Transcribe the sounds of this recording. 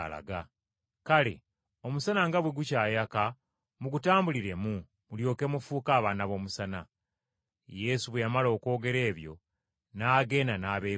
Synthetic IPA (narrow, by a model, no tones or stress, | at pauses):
la̰ɡa | kalḛ | o̞musanaŋɡaβweɡucaːjaka | muɡutaːmbuliɾe̞mu | muljo̞ːke̞mufuːkaːβaːnaβo̞ːmusana | je̞suβwejamalo̞ːko̞ːɡe̞ɾe̞ːβjo̞̰ | naːɡe̞ːnanaːβe